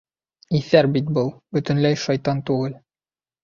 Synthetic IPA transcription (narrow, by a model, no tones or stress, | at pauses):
iθæɾbit̪̚bɤlˠbɵ̆t̪ɘ̆nlæjʃɑjt̪ɑnt̪ʉɡɤl